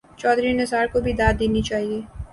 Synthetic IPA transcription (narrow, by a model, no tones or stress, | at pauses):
t͡ʃɔːd̪ɾinɐsaːɾkobʱid̪aːd̪d̪eːnit͡ʃaːɦieː